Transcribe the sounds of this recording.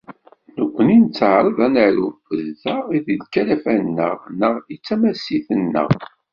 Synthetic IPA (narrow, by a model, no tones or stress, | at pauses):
nəkʷːənint͡sːəʕɾˤəðˤænəɾufəðːəʁiðidkːælæfænːə̰ʁnəʁit͡sːæmæsiθənːə̰ʁ